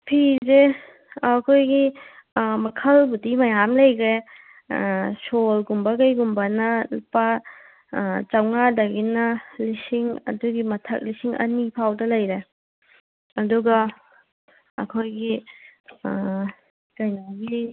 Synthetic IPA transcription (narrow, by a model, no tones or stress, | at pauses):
pʰize | ɐkʰojɡi | mɐkʰɐlbudimɐjamlɐjɡɾe | solɡumbɐɡɐjɡumbɐnɐlpa | t͡ʃɐwŋadɐɡinɐlisiŋɐ̰duɡimɐtʰɐk̚lisiŋɐ̰nipʰawdɐlɐjɾe | ɐduɡɐ | ɐ̰kʰojɡi | kɐjnaɡi